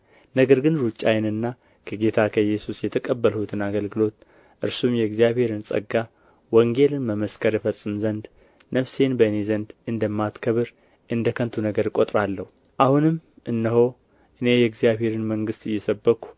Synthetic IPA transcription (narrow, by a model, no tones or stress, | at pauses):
nəɡəɾɡɨnɾut͡ʃʼːajnɨnːa | kʰəɡe̞t̪ʰakʰəjːɛsusjɛt̪ʰəkʼəbːəlhut̪ʰɨnaɡəlɡɨlo̞t̪ | ʔɨɾsumjɛɨɡzijaβhe̞ɾɨnsʼə̰ɡːa | wəŋɡe̞lɨnməməskʰəɾjɛfəsʼːɨmzənd̪ | nəfsenbəɨne̞zənd̪ɨnd̪əmːat̪kʰəβɨɾ | ʔɨnd̪əkʰənt̪ʰunəɡəɾkʼot̪ʼɾalːəhu | ʔahunɨmː | ʔɨnːɨɦo̞ | ʔɨne̞jɛɡzijaβhe̞ɾɨnməŋɡɨst̪ɨjːɛsəbːəkʰːu̥